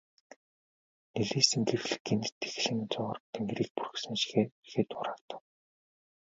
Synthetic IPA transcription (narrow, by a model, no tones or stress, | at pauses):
neɮiːsɘ̆ŋɡerɮɘ̆ɡent̪ʰːe̥x̆ɮɘ̆ŋt͡sʊːʁə̆rt̪ʰĕŋɡɾiːk̚pur̆ksɘ̆ŋʃi̥xeːexeːt̪ʊːɾaːkt̪ə̥̆w